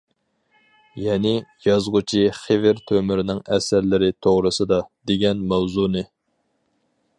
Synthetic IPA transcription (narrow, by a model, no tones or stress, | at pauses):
jɛnɪjɑzʁʊt͡ʃʰiχevɪɾt̪ʰømɪɾnɪŋɛsæɾlɪɾɪt̪ʰoʁɾɨsɨd̪ɑd̪eɡʲɛnmɛwzunɨ